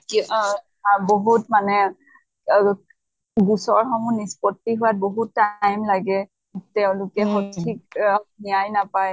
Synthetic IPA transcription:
ki | boɦutmanɛ | ɡusɔɹxɔmunispɔtːiɦʊwat̚boɦutːajmlaɡɛ | tɛʊ̃lʊkɛxɔtʰiknijajnapaj

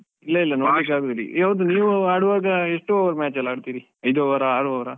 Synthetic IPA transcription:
ilːɐilːɐnobekaːɡud̪ɐlḭaʋud̪uniːʋuaːɽuʋaːɡɐeʂʈuɔʋɐɾmʲaːt͡ʃɐlːaːɖt̪iːɾi | ɐjd̪oʋɐɾɐaːɽuɔʋɐɾɐ

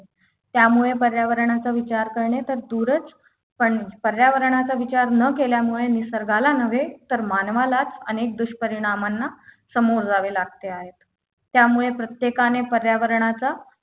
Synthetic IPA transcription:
t̪jamuɭepəɾjaʋəɾɳat͡saʋit͡ɕaɾkəɾɳet̪əɾd̪uɾət͡s | pəɳpəɾjaʋəɾɳat͡saʋit͡ɕaɾnəkeljamuɭenisəɾɡʱalanəʋ̤et̪əɾmanʋalat͡sənek̚d̪uɕpəɾiɽ̃amanːasəmoɾd͡zaʋelaɡ̚t̪eaɦet̪ː | jamuɭepɾət̪jekanepəɾjaʋəɾɳat͡sa

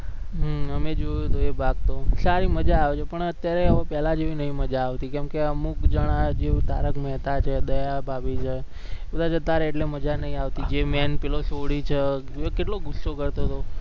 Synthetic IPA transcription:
ɦəmed͡ʒojot̪oebʱaɡ̚t̪osaɾiməd͡ʒaːʋet͡ʃʰepəɳət̪jaɾeəʋepɛlad͡ʒeʋinəɦĩməd͡ʒaːʋt̪ikɛmkeəmukd͡ʒəɽ̃ad͡ʒet̪a̰ɾəkmɛɦt̪at͡ʃʰed̪əjabʱabit͡ʃʰe | bəd̪ʱad͡ʒət̪aɾeːʈleməd͡ʒanəɦĩaʋt̪id͡ʒemɛnpilosoɽit͡ʃʰe | keʈloɡusokəɾt̪oɦət̪o

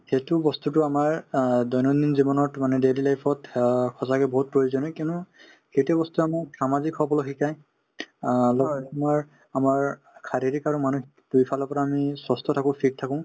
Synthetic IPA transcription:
xetubɔstutʊamaɹdɔjnɔninzibɔnɔtmanɛdelilajpʰɔtkʰɔsakɛbɔɦut̚pɹoɹizɔnɔkinu | xejtɛbɔstuamasamazikʰːɔbɔlɔxikaj | lɔmaɹ | amaɹ | kʰaɹiɾikaɹumanuxikdujpʰalɔpɔɹaːmisɔstʰɔtʰakɔ̃pʰik̚tʰakɔ̃

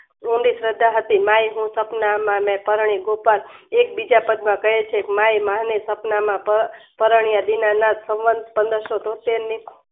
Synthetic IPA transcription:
ũɳɖisɾəd̪ʱːaɦət̪imajɦũsəpnamãmɛ̃pəɾɳ̃iɡopəɾek̚bid͡ʒapəd̪mãkəɦet͡ʃʰekmaimaɦnesəpnamãpəpəɾəɳ̃ijad̪inanat̪sə̃ʋʋənd̪pənd̪əɾʃot̪ot̪enikʰ

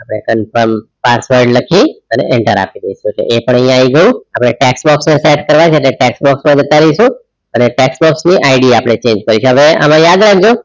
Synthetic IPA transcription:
apəɽ̃ekənfəɾmpasʋəɾɖləkʰĩənḛʔɛɳʈəɾa̰pid̪əiʃũt͡ʃʰḛʔepəɳə̃jjãiɡəjũapɽ̃eʈɛksbɔksneseʈkəɾʋajt͡ʃʰeːʈleʈɛksbɔksmãd͡ʒət̪aɾəiʃũ | əneʈɛksbɔksniʔaiɖiapɽ̃et͡ʃẽɲd͡ʒkəɾit͡ʃʰeɦəʋea̰mãjad̪ɾaɡd͡ʒo

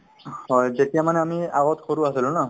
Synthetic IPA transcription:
hɔjzetijamanɛamia̰ɣɔtkʰoɹuasilʊ̃na

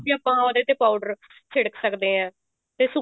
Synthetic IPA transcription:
bĩaːpãːoːd̪eːt̪eːpaːuɖəɾ | t͡ʃʰɪɽəksəkd̪eːɦɛ̃ː | t̪eːsʊ

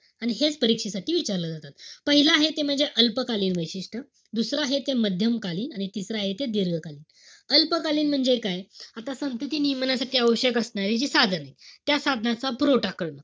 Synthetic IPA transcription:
aɽ̃iɦet͡spəɾikʂisaʈiːʋit͡ɕaɾləːd͡zat̪at̪pəɦilaːɦet̪em̤əɳd͡zeʔəlpəkaliːnʋəjɕiʂʈʰə | d̪usɾaːɦet̪eməd̪ʱjəmkaliːnaɽ̃it̪isɾaːɦet̪ed̪iɾɡʱəkaliːn | əlpəkaliːnm̤əɳd͡zekajat̪asənt̪ut̪iːnimənasaʈiːəʋəɕjəkəsɳaɾid͡ʑisad̪ʱənajt̪jasad̪ʱənat͡sabɾoʈakəɭnə

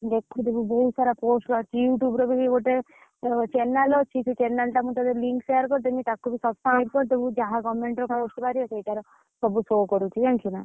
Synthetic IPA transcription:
d̪ekʰːut̪ebubɔɦut̪saɾapoːsʈkat͡ʃʰijuːʈjuːbɾɔbʱiiɡoʈe | t͡ʃenːalɔt͡ʃʰit͡ʃʰut͡ʃenːelʈamut̪ad̪ɔɾliŋkseɾkɔɾt̪emit̪akubʱisɔbskɾajb̚kɔɾt̪̬ebud͡ʒaɦaɡɔmeɳʈɾɔkosʈpaɾiɔsejʈaɾɔ | sɔbusokɔɾut͡ʃʰit̪ʰɛŋkuna

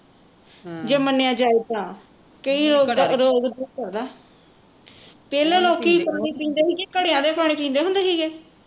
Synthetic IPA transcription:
d͡ʒeːmənːejãːd͡ʒaːiːt̪ãː | kəiːɾoːɡɾoːɡd̪uːkəɾd̪aː | peːleːloːkiːpʰaːniːpĩːnd̪eːɦiːkekəɽeãːd̪eːpʰaːɳ̃iːpĩːnd̪eːɦʊ̃nd̪eːɦiːɡeː

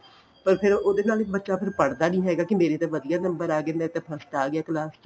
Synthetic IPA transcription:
pəɾpʰɪɾoːd̪eːnaːlɪk̚bətːʃaːpʰɪɾpəɽd̪aːnĩːɦɛːɡaːkɪmeːɾeːt̪ẽːʋəd̪ijaːnəmbəɾaːɡeːmeːɾet̪eːpʰəsʈaːɡɪaːkəlaːs

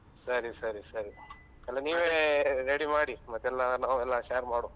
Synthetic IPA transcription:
səɾisəɾisəɾi | t̪elaniːʋeɾeːɽimaːɽimat̪elːanaelːaʃaɾmaːɽoː

